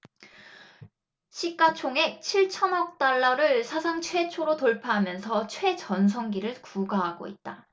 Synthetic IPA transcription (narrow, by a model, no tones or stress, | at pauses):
ɕʰik͈at͡ɕʰoŋe̞k̚t͡ɕʰiɭt͡ɕʰʌnʌk̚t͈aɭːʌɾɯɭsʰasʰaŋt͡ɕʰwe̞t͡ɕʰoɾotoɭpʰaɦamjʌnsʰʌt͡ɕʰwe̞t͡ɕʌnsʰʌŋɡiɾɯɭkuɡaɦaɡo̰it̚t͈a